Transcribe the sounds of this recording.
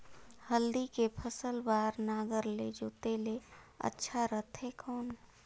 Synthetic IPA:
həld̪ikepʰəsəlbaːɾnaːɡəɾled͡ʒoːt̪eleə̰tːʃʰaɾət̪ʰɦekɔːn

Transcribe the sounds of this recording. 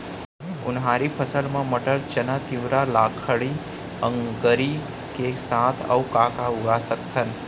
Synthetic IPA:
ʊ̰nɦaːɾipʰəsəlmãməʈəɾt͡ʃənət̪ɪʋɾalaːkʰəɽi | ə̃ŋɡəɾi | kesaːt̪ʰə̰wkaːkaʊɡasəkt̪ʰən

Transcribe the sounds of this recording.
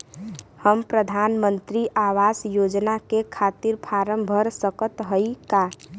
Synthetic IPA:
həmpɾəd̪ʱaːnmənt̪ɾiʔawasjod͡ʒnakekʰat̪iɾpʰaɾəmbʱəɾsəkət̪ɦəika

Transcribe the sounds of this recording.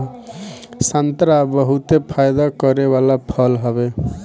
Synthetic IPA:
sant̪ɾabʌɦut̪epʰajd̪akʌɾewalapʰʌlɦʌbe

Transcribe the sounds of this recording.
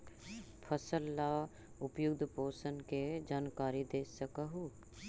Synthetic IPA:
pʰəsəlːa | ʊpjʊɡd̪ʱpoːsənked͡ʒaːnkaːɾid̪eːsəkaɦu

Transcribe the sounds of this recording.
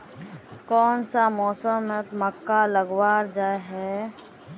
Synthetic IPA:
kɔːnsamɔːsəmət̪məkːaləɡwaːɾd͡ʒaːeɦɛ

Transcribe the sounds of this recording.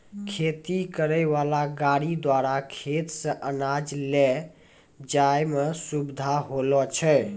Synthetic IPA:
kʰet̪ikəɾəɪβalaɡaɽid̪waɾakʰet̪sə̃ʔənad͡ʒlɛ | d͡ʒajmesubd̪ʱaɦolɔt͡ʃʰɛ

